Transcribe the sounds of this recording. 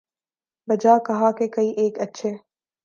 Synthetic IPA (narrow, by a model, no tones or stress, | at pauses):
bɐd͡ʒakɐɦakekɐiʔeːkɐtːʃʰe